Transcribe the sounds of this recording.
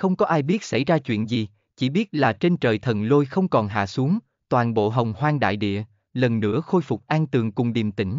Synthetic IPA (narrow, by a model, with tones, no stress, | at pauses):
xə˧wŋ͡mkɔ˨˦ʔaː˧jɓi˦˥ət̚sa̰˧˩jzaː˧t͡ɕwḭ˧˨ənzi˨˩ | t͡ɕi˧˩ɓi˦˥ət̚laː˨˩t͡ɕe˧nt͡ɕəː˨˩jt̪ʰə˨˩nlo˧jxə˧wŋ͡mkɔ˨˩nɦa̰ː˧˨su˨˦əŋ | t̪waː˨˩nɓo̰˧˨ɦə˨˩wŋ͡mhwaː˧ŋɗa̰ː˧˨jɗḭ˧˨ə | lə˨˩nːɨ̰˧˥əxo˧jfʊ˨˩k͡p̚ʔaː˧nt̪ɨ˨˩əŋkʊ˨˩ŋ͡mɗi˨˩mt̪ï˧˩ŋ̟